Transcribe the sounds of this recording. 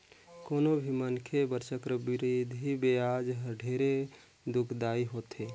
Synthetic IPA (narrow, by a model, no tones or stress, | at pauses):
koːnobʱimənkʰebəɾt͡ʃəkɾəbɪɾid̪ʱɦibeaːd͡ʒɦəɖʱeːɾe | d̪ʊkʰd̪aːiɦoːt̪eː